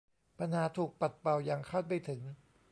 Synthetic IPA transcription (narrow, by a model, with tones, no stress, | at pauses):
pʰa˧nhaː˩˦t̪ʰuː˨˩k̚pa˨˩t̪̚pa˨˩wja˨˩ŋkʰaː˥˩t̪̚pa˧jt̪ʰɯ˨˩˦ŋ